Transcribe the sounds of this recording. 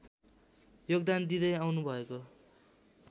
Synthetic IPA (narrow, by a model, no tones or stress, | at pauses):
joɡd̪and̪id̪ʌjawnubʱʌeko